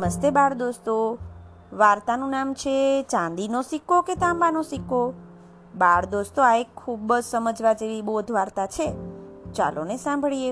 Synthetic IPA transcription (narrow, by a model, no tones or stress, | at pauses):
məst̪ebaɽd̪ost̪o | ʋaɾt̪anũnamt͡ʃʰet͡ʃãnd̪inosikoket̪ãmbanosiko | baɽd̪ost̪oaekkʰːubd͡ʒsəməd͡ʒʱʋad͡ʒeʋibod̪ʱʋaɾt̪at͡ʃʰet͡ʃa̰lʔo̰nesãmbʱɭije